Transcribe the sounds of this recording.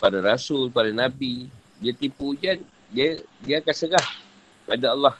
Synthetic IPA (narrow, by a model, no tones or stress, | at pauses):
padaɾasʊlpadanabi | diat̪impud͡ʒa | diadiakasəɡah | adalːah